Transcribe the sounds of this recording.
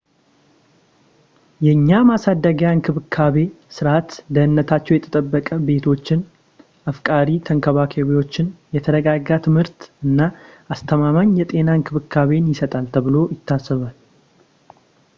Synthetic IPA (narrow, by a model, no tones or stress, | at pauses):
jɛɨɲːamasad̪ːəɡəjankʰɨβɨkʰːaβe̞ | sɨɾat̪d̪əhɨnːət̪ʰat͡ʃːɛwjɛt̪ʰə̥t̪ʼəbːəkʼəbe̞t̪ʰo̞t͡ʃːɪn | afkʼaɾit̪ʰəŋkʰəβakʰeβewo̞t͡ʃːɪnjɛt̪ʰəd̪əɡaɡat̪ʰɨmhɨɾt̪ɨnːa | ast̪ʰəmamaɲjɛt̪ʼe̞naɨŋkʰɨβɨkʰːaβe̞njɪsət̪ʼalt̪ʰəβɨlo̞jɪt̪ʰːasːɨβal